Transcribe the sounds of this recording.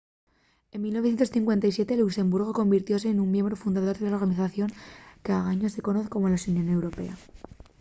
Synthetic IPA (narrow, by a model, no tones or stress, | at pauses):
e̞mːilno̞θjent̪o̞sθiŋkwe̞nt̪ajsje̞t̪e̞lukse̞mbuɾɣ̞o̞ko̞mbiɾt̪jo̞s̬e̞ːnummje̞mbɾo̞fund̪aðoɾðelaoɾɣaniθaθjo̞ŋkeaɣaɲose̞ko̞noθko̞molasunjone̞wɾo̞pe̞̰a